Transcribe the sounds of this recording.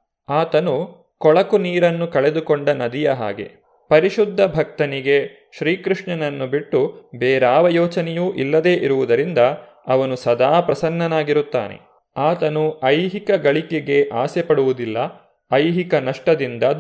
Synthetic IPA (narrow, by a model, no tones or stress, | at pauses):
aːt̪ɐnu | kɔɭɐkuniːɾɐnːukɐɭe̞d̪ukoɳɖɐnɐd̪ijɐɦa̰ːɡe̞̰ | pɐɾiʃud̪ʱːɐbʱɐk̚t̪ɐniɡe̞ | ʃɾiːkɾuʂɳɐnɐnːubiʈːubeːɾaːʋɐjɔːt͡ʃɐnejuːʔilːɐd̪eːʔiɾuʋud̪ɐɾind̪ɐ | ɐʋɐnusɐd̪aːpɾɐsɐnːɐnaːɡiɾut̪ːa̰ːne̞̰ | aːt̪ɐnuɐjɦikɐɡɐɭikeɡeʔaːsepɐɽuʋud̪ilːɐ | ɐjɦikɐnɐʂʈɐd̪ind̪ɐ